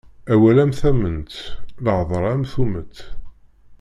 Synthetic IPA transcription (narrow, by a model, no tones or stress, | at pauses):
æwælæmθæmənt̪ləʕðˤəɾˤæmθumət̪